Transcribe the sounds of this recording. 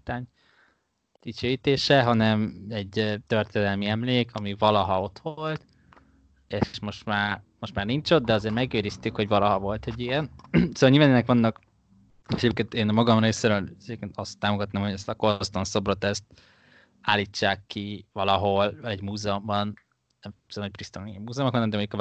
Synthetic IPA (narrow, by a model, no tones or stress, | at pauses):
t̪aːɲ | d̪̥it͡ʃøːjit̪eːʃɛɦɒnɛmɛɟ̚t̪ørt̪eːd̪ɛlmiɛmleːkʰɒmivɒlɒɦɒo̞t̪ʋolt̪ | eːʃmo̞ʃt̪maːrmo̞ʃt̪maːrniɲt͡ʃo̞d̪d̪ɛɒzeːɾmɛɡeːɾist̪ykho̞ɟvɒlɒɦɒvo̞lt̪ɛɟijɛnsoːɒlɲilvanɛnɛkʋɒnːɒk | ɛɟeːp̚keːnt̪eːnmɒɡɒmreːseɾøːlɛɟeːpkeːnt̪ɒst̪ːaːmoɡɒt̪naːmho̞ɟɛst̪ɒkost̪onso̞brot̪ɛst̪ | aːliːt͡ʃːaːkːivɒlɒɦo̞lvlɛɟmuːzɛombɒn | nɛmsmɛc̚prist̪onimːuːzɛomokhɒnɛmd̪ɛmo̞ɲɟukɒ